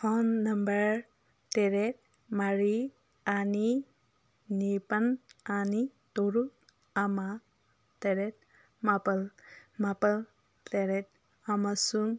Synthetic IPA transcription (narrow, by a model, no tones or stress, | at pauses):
hɔnːɐmbəɹ | teɾet̚ | maɹi | ani | nipananitɔɾut̚ | ama | teɾet̚ | mapəlmapal | teɾet̚ | amasuŋ